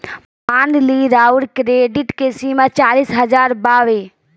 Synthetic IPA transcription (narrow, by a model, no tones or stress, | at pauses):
pãːnd̪liɾaːʊɽkɾeːɖɪʈkesiːmat͡ʃaːliːsɦɐzaːɾbaːʋeː